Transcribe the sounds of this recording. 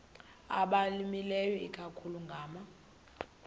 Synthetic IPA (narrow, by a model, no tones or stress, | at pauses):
a̰ɓalimilɛjɔikʼakʰuluŋɡʱaːma